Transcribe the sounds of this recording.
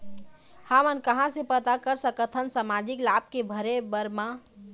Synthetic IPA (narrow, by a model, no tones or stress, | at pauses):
hamənkəɦãsepət̪akəɾsəkət̪ʰənsamad͡ʒɪklaːb̚kebʱəɾebəɾmã